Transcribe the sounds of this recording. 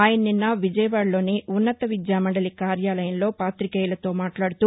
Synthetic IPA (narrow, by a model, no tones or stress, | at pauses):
aːjɐnɐninːɐʋid͡ʒɐjɐʋaːɽlo̞ːniʔunːɐt̪ɐʋid̪jaːmɐɖɐlikaːɾjaːlɐjɐmlo̞ːpaːt̪ɾikɛːjlɐt̪o̞ːmaːʈlaːɽut̪uː